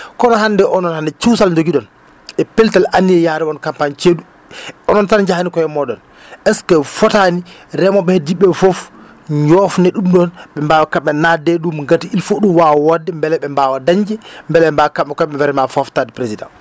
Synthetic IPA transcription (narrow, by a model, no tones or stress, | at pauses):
kɔnɔhandɛʔɔnɔnhandɛt͡ʃiwsald͡ʒoɡiɗɔn | ɛpɛltalʔanːiɛjaɾɛɔnkampant͡ʃeɗu | ɔnɔnsand͡ʒahanikɔjɛmɔdɔn | ʔɛskɛfɔtaniɾɛmɔɓɛhediɓɛfof | ɲɔfnɛɗumɗɔnɓɛmbaːwakaɓːɛnadɛɗumŋɡatiilfoɗumwawɔdːɛmbɛlɛɓɛmbawadaɲd͡ʒɛmbɛlɛɛmbawkaɓɛkɔɓɛvɛɾɛmafɔftadɛpɾesidã̰n